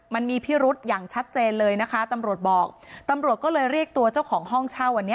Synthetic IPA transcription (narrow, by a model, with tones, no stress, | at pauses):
ma˧nmiː˧pʰiː˥˩ɾu˦˥t̪̚jaː˨˩ŋt͡ɕʰa˦˥t̪̚t͡ɕeː˧nlɤː˧jna˦˥kʰa˦˥t̪a˧mɾu˨˩ət̪̚bɔː˨˩k̚t̪a˧mɾu˨˩ət̪̚kɔː˥˩lɤː˧jɾi˥˩ək̚t̪u˧ɐt͡ɕa˥˩wkʰɔː˩˦ŋɦɔ˥˩ŋt͡ɕʰaː˥˩wa˧nːi˦˥